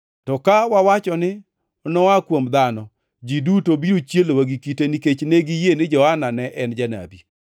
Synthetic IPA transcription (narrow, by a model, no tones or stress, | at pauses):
tɔkawawat͡ʃɔnɪ | ɔnɔakwomd̪anɔ | d͡ʒidutobiɾot͡ʃjelowaɡikiteniket͡ʃneɡijenɪd͡ʒɔhananɛʔɛnd͡ʒana̰bi